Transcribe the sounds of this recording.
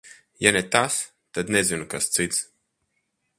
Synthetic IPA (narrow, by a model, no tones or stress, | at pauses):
janet̪as | t̪ad̪nɛzinukast̪sit̪s